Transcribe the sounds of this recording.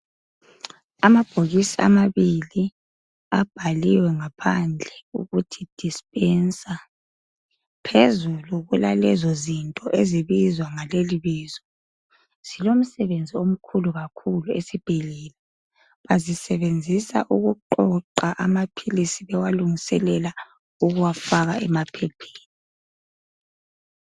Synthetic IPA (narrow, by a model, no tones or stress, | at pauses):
amab̥ʱoɣisia̰maβili | ab̥ʱaliwɛŋapʰand͡ɮʱɛṵɣutʰid̥ʱispʼɛnsʼa | pʰezuluɣulalɛzɔzintʼɔʔeziβizwaŋaleliβiːzɔ | silom̩sɛβend͡zʱiom̩kʰuluɣakʰuluesib̥ʱilɛːlɛ | βazisɛβend͡zʱisa̰ʔuɣuǃɔǃaʔamapʰilisiβɛwaluŋisɛlɛla | uɣuwafaɣaʔɛ̰mapʰɛpʰe̥ːli